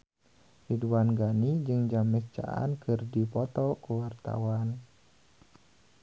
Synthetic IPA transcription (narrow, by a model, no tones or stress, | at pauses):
riduanɡanid͡ʒɨŋd͡ʒamɛst͡ʃa̰ʔa̰nkɨrdipɔt̪ɔkuwart̪a̰wan